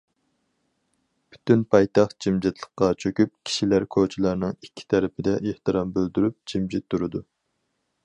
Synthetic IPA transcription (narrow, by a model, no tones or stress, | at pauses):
b̥y̥t̪ynpʰɑjt̪ɑχt̪d͡ʒimd͡ʒit̪ʰlˠəχqːɑt͡ʃʰøkʲyp̚kʲʰi̥ʃilæɾkʰot͡ʃʰilˠɑɾnɨŋikʲʰːi̥t̪ʰɛɾɪpʰɪd̪ɛʔeht̪ɨɾɑmbøld̪yɾyp̚d͡ʒimd͡ʒɪt̪ʰːuɾɨd̪u